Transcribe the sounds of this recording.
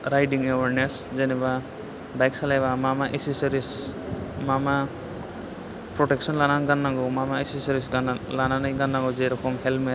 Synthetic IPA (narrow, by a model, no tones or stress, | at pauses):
ɾajɖiŋɛwaɾnes | d͡ʒɛnɛba | bajksalajbamamaʔesisɾis | mama | pɾɔʈɛksɔnlananɡanːaɡɔmamaesisɔɾisɡanlananəjɡanːaŋɡɔd͡ʒɛɾɔkʰɔmhɛlmet